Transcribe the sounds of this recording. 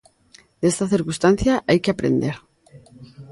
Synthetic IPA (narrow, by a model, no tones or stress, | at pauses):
d̪̥est̪aθiɾkust̪an̟θjaʔajkeapɾḛnd̪eɾ